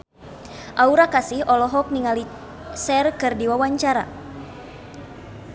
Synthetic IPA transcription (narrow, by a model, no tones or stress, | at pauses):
ʔauɾakasihɔlɔɦɔk̚niŋali | sɛrkɨrdiwawaɲt͡ʃaɾa̰